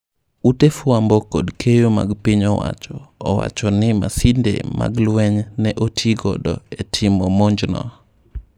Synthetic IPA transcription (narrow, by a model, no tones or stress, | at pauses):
utefuambɔkodkʰejoma̰ɡpɪɲɔwa̰t͡ʃɔːwa̰t͡ʃɔnɪma̰sindḛma̰ɡlwɛɲnɛʔotʰjiɡɔ̰dɔ̰etʰɪmɔmɔɲd͡ʒnɔ̰